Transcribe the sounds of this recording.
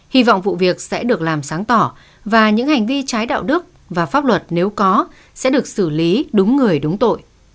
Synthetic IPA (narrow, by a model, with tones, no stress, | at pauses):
hi˧vɔ̰˧˨wŋ͡mvṵ˧˨vi˨˩ək̚sɛ̰˧˥ɗɨ˨˩ək̚laː˨˩msaː˨˦ŋt̪ɔ˧˩ | vaː˨˩ɲɨ̰˧˥ŋha˨˩jŋ̟vi˧t͡ɕaː˨˦jɗa̰ː˧˨wɗɨ˦˥ək̚ | vaː˨˩faː˦˥p̚lwə˨˩t̚ne˨˦wkɔ˨˦ | sɛ̰˧˥ɗɨ˨˩ək̚sɨ˧˩li˨˦ɗʊ˨˦ŋ͡mŋɨ˨˩əjɗʊ˨˦ŋ͡mt̪o̰˧˨j